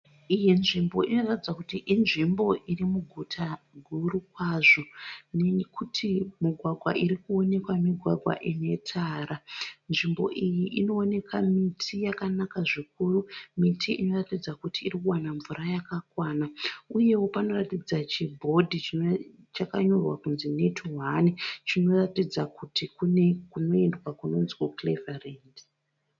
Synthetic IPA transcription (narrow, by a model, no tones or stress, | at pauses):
ijinʐimbo̞ino̞ratid͡zakutiʔinʐimbo̞ʔirimuɡʱutʰa | ɡʱuɾukwaʐo̞nekutʰimiɡʱwaɡʱwa̰ʔiɾikuo̞ne̞kwamiɡʱwa̰ɡʱwa̰ʔine̞tʰaːɾanʐimbo̞̰ʔijiʔino̞ːne̞kʰamitʰijakanakaʐik̚urumitʰiino̞ratid͡zakutiːrikuwanaɱvuɾajakakwaːnauje̞wo̞pano̞ratid͡zat͡ʃibʱo̞dʱit͡ʃi | t͡ʃakaɲo̞rwakunzine̞tʰuɦanit͡ʃino̞ratid͡zakutikune̞kuno̞endwakuno̞nzwoklevareːnd